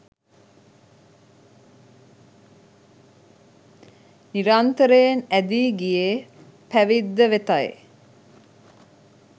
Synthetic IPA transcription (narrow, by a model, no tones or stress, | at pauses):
niɾant̪əɾejenæd̪iːɡije | pæʋid̪ːəʋet̪aj